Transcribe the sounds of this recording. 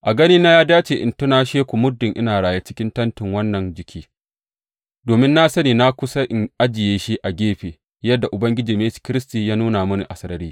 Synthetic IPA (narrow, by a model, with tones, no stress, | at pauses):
ʔa˨ɡɐ˦ni˦na˦jaː˦daː˦t͡ʃeː˨ʔɪ̰˨ntʊ˦na˦ʃeː˦kʷu˨mʊ˦dːɪ˨ŋʔɪ̰˦naː˨ɽaː˨ja˦t͡ʃɪ̥˦kʲɪ˦ntɐ˦ntɪ˨ŋwɐ˦nːɐ˨nd͡ʒɪ˨kʲʰiː˦ | doː˨mɪ˦nːa˦sɐ˦niː˨na˦kʷʊ˦sa˦ʔɪ˨ŋʔa˦d͡ʒɪ˨jeː˦ʃi˦ʔa˨ɡʲeː˦ɸeː˨ | jɐ˦dːa˨ʔʊ˨bɐ˦ŋɡʲɪ˦d͡ʒiː˨meː˦skʲɪ˦ɾɪ˦stiː˨jaː˦nuː˦na˨mʊ˦ni˨ʔa˨sɐ˦ɾɐ˦ɾiː˦